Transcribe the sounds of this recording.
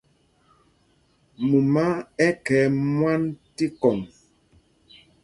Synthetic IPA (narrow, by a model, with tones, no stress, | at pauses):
mu˨ma˦ɛ˦kɛː˨˦mwa˦nti˦kɔ˨ŋ